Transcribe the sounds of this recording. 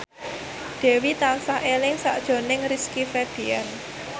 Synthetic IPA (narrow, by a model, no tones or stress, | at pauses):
ɖ̪̥ɛ̤wit̪alsaelɪŋsa̰ʔd̥ʒ̥o̤nɪŋriskifed̥ian